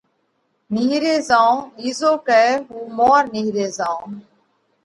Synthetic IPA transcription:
niːɾeːzãːiːzoːkɛːɦuːmɔːɾniːɾeːzãː

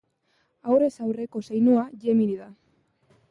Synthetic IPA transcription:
awre̞sawre̞ko̞sajnuaʝemiɾiða

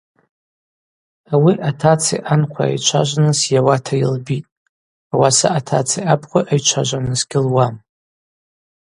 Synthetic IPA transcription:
awiʔatʰat͡sʰḭʔanqʷʰaa̰jt͡ʃʷʰa̰ʒʷnɨsjawatʰajɪlbitʼ | awasaʔatʰat͡sʰiapʰχʷaʔajt͡ʃʷʰaʒʷanɨzɡʲɪlwam

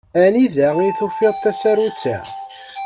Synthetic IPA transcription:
æniðæiθufiðˤt̪ːæsæɾut͡sːæ̰

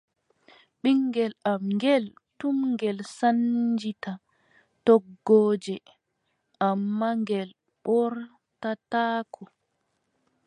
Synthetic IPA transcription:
ɓiŋɡɛlamŋɡɛl | tumŋɡɛlsand͡ʒita | tɔɡːɔːd͡ʒɛ | ʔamːaŋɡɛl | ɓɔɾ | tataːkʰɔ

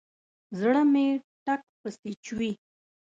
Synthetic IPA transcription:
zɽəmeʈak̚pəst̪it͡ʃwi

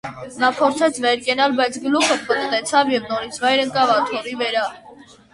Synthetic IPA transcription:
nɑpʰɔɾt͡sʰɛt͡sʰvɛɾkɛnɑlbɑjt͡sʰɡəluχʰəpət̪t̪ɛt͡sʰɑvjɛvnɔɾit͡sʰvɑjɾəŋkɑvɑt̪ʰɔɾivəɾɑ

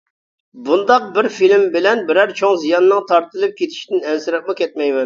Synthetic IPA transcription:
bund̪ɑq̚bɪɾfilmbɪlɛnbɪɾæɾt͡ʃʰoŋzijɑnɨnɨŋt̪ʰɑɾt̪ʰɨlˠɨp̚kʲʰet̪ʰi̥ʃt̪ɪnɛnsɪɾɛp̚mɨkʲʰɛt̪̚mɛjmɛn

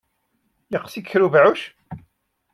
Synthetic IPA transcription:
jəqsikçɾuvʕuʃ

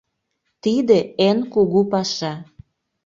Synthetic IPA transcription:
t̪id̪eenkuɣupɑʃɑ

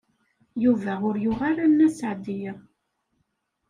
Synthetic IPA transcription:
juvæʊɾjʊʁaɾanːæsəʕd̪iʁ

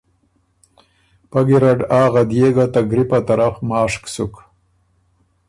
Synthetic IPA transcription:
pɐɡiɾaɖaːɣad̪jeːɡat̪aɡɾipat̪aɾafmaːʂksuk

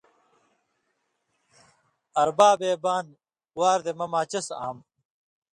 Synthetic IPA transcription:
ɐɾbaːbeːbaːn | waːɾd̪emɐmaːt͡ɕɐsa̰ːm

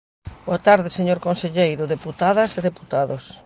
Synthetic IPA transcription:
boat̪aɾðɪseɲoɾkõnseʎejɾʊðeput̪aðɐseðeput̪aðos

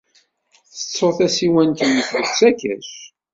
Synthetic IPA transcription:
θə̥t͡sːoθæsiwænt̪ənːəθət͡sːækæ̰ʃ

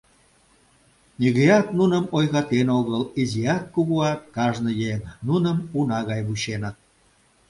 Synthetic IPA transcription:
nʲiɣəjɑt̪̚nunə̆mojɣɑt̪enoɣəlizijɑkːuɣuɑt̪̚kɑʒnɤ̆jeŋnunəmunɑɣɑjβuɕenət̪̚

